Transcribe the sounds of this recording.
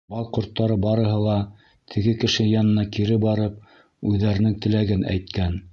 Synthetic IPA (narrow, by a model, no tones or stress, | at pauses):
bɑlˠqŏɾt̪ːɑɾɤbɑɾɤ̆ɦɤlˠɑ | t̪ʰɘ̆ɡɘkɘ̆ʃɘjɑnɤ̆nɑkiɾɘbɑɾɤp̚ | ʉðːæɾɘ̆nɘŋt̪ɘ̆læɡɘnʔæ̰jt̪kæn